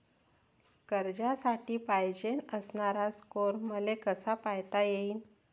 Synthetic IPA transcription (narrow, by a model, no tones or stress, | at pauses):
kəɾd͡ʑasaʈiːpajd͡ʑenəsnaɾaskoɾməlekəsapajt̪ajeiːn